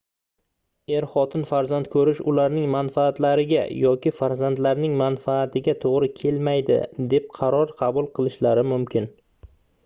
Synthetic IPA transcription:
e̞ɾχɒt̪ʰɪnfaɾzant̪kʰɵɾɪʃʊlaɾnɪŋmanfaːt̪laɾɪɡʲa̰jɒkʲɪfaɾzand̪laɾnɪŋmanfaːt̪ʰɪɡʲat̪ʰoʁɾɪkʲʰe̞lmajd̪ɪ̰d̪e̞p̚qʰɑɾɒɾqʰɑbʊlˠqʰɨlˠɪʃlaɾɪmʊmkʲɪn

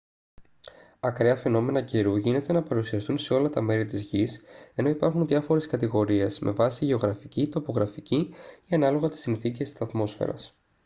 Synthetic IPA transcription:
ɐkɾeɐfe̞no̞me̞nɐciɾuʝine̞t̪e̞nɐpɐɾusiɐst̪unse̞o̞lɐt̪ɐme̞ɾit̪izʝise̞no̞ipɐɾxunðiɐfo̞ɾeskɐt̪iɣo̞ɾie̞smʔe̞vɐsiʝe̞o̞ɣɾɐficit̪o̞po̞ɣɾɐficiiɐnɐlo̞ɣɐt̪i̥sinθice̞st̪i̥sɐt̪mo̞sfḛɾɐ̰s

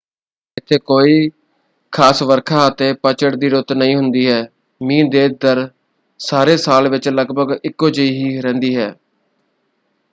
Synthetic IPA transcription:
ɪt̪ʰːeːkoːiː | kʰaːsʋəɾkʰaːət̪eːpət͡ʃəɽd̪iːɾʊt̪nəɦĩːɦʊnd̪iːɦɛː | mĩːd̪eːd̪əɾ | saːɾeːsaːlʋɪt͡ʃləɡbʱəɡɪkːoːd͡ʒəiːɦiːɾɛ̃ːnd̪iːɦɛː

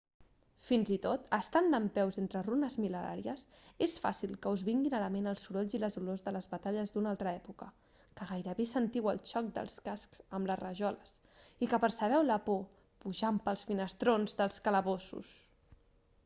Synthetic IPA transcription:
finzit̪ot̪əst̪and̪əmpɛwzent̪ɾərunəzmiləɾa̰ɾiəsesfa̰silˠkəuzβiŋɡinələmenəlˠsuɾoʎziləzulozðələzβət̪aʎəzd̪unalˠt̪ɾəɛpukə | kəɣajɾəβesənt̪iwə̰lˠt͡ʃɔk̚d̪ə̰lˠskasksəmlərəʒɔləs | ikəpəɾsəβ̞ɛwləpo | puʒampəlˠsfinəst̪ɾonzðəlˠskələβosṵs

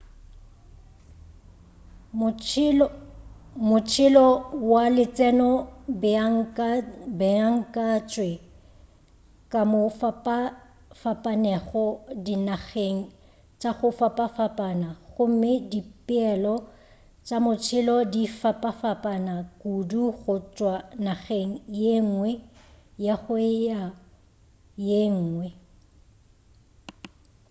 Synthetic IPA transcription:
mʊt͡ʃʰɪlɔwalɪt͡sʼɛnɔbŋ | bɛaŋ̩kʼat͡ʃʼwe | kʼamʊfpa | fapʼanɛɣɔdinaɣeŋ̩ | t͡ʃʼaɣʊfapʼafapʼanaɣʊm̩mɪdipʼɪɛlɔ | t͡ʃʼamʊt͡sʰɪlɔdifapʼafapʼanakʼuduɣʊt͡ʃʼwanaɣeŋ̩jeŋ̩ŋwɛjaɣʊja | jeŋ̩ːŋwɛ

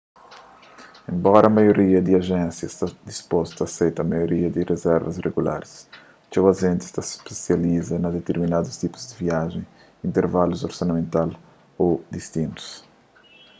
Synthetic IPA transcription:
ẽmbɔɾɐːmajoɾiɐd̪ɪɐʒɛ̃nsjɐst̪ad̪ispost̪ɐːsejt̪ɐmajoɾiɐd̪ɪrezɛɾvɐzreɡula̰ɾs | t͡ʃɛwɐʒẽnt̪ɪ̥st̪aspesjalizɐnɐd̪et̪eɾminad̪ust̪ipʊ̥zd̪ɪviaʒẽj̃ | ĩnt̪eɾvaluzoɾsɐnɐmẽnt̪al | od̪ist̪ĩnt̪u̥s

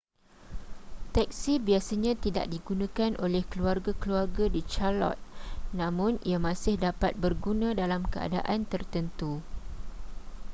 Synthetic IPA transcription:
t̪ɛk̚sibiasaɲãt̪ida̰ʔdiɡunãkanʔolɛhkəluarɡakəluarɡadit͡ʃalɔ̰t̪̚nãmʊ̃niamãsɪhdapat̪̚bərɡunãdalamkəa̰da̰ʔant̪ərt̪ənt̪u

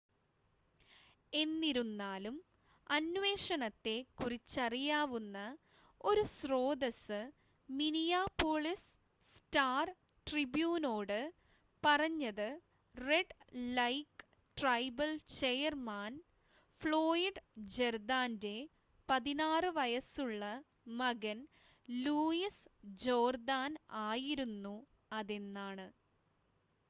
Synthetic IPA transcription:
e̞nːiɾunːaːlum | ɐnʋe̞ːʂɐnɐt̪ːe̞kurit͡ɕːɐrijaːʋunːɐ | o̞ɾusro̞ːd̪ɐsɨ | minijaːpːoːɭis | staːr | ʈribjuːno̞ːɽɨ | pɐrɐɲːɐðɨ | re̞ɖlɐjk | ʈrɐjbɐlt͡ɕejɐrmaːn | fɭoːjiɖd͡ʑerd̪aːnde̞ | pɐðinaːrɨʋɐjɐsuɭːɐ | mɐɣɐn | luːjisd͡ʑo̞ːrd̪aːnaːjiɾunːu | ɐðe̞nːaːɳɨ

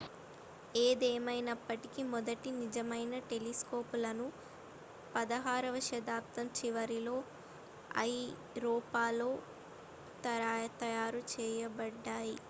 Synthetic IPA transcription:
eːd̪eːmɐjnɐpːɐʈikimɔd̪ɐʈinid͡ʒɐmɐjnɐʈe̞lisko̞ːpulɐnu | pɐd̪ɐɦaːɾɐʋɐʃɐd̪aːp̚t̪ɐmt͡ʃiʋɐɾilo̞ː | ɐ̰j | ɾɔːpaːlo̞ː | t̪ɐt̪ɐjaːɾut͡ʃɛːjɐbɐɖːaːji

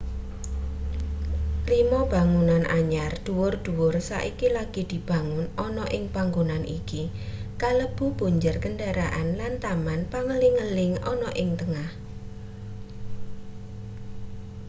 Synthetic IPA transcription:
rimɔb̥a̤ŋunanʔaɲard̪̥ṳwʊrd̪̥ṳwʊrsa̰ʔikilaɡ̥i̤d̪̥i̤b̥a̤ŋʊnɔnɔʔɪŋpaŋɡunanʔḭki | kaləb̥ṳb̥ṳɲd͡ʒərkəɳɖaɾaʔanlant̪amanpaŋəliŋəlɪŋɔnɔʔɪŋt̪əŋah

